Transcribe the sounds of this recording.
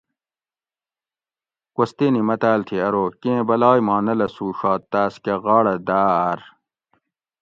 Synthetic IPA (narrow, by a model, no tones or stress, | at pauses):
kost̪iːnimɐt̪aːlt̪ʰiɐɾoːkẽẽbɐlaːjmaːnɐlɐsuːʂɑːt̪ːaːskeɣɑːɽɐd̪aːɾ